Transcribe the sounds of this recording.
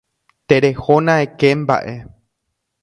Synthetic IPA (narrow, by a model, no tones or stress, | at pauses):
t̪eɾehonãekemba̰ʔe